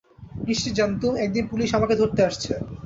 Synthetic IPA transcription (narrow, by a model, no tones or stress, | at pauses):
kɾiʃʈid͡ʑant̪umɛk̚d̪inpuliʃamaked̪ʱoɾt̪eaʃt͡ɕʰe